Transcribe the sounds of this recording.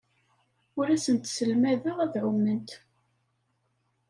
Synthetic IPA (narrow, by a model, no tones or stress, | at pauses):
ʊɾæsənt̪səlmæðæʁæðʕʊmnənt̪